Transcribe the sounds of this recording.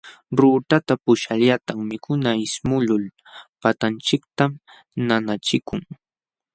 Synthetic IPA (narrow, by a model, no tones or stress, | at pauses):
ɾuːt̪at̪apʊʃaʎat̪aŋmɪkʰʊnaɪsmʊlʊl | pat̪ant͡ʃɪk̚t̪am | nanat͡ʃɪkʊŋ